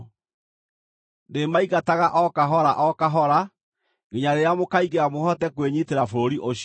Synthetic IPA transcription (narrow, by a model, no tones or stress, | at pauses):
ndemaiɣataɣaʔɔkaɦɔɾaʔɔkaɦɔɾa | ɡeɲaɾeeamokaiɣeamohɔtɛkweɲiteɾafoɾoɾiʔoɕ